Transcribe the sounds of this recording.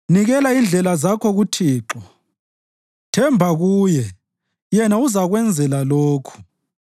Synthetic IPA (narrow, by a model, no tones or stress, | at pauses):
niɣɛlaind͡ɮʱɛlazakʰɔɣutʰiːǁɔ | tʰɛmbʱaɣuːjɛ | jɛnauzaɣwɛnd͡zʱɛlaloːkʰu̥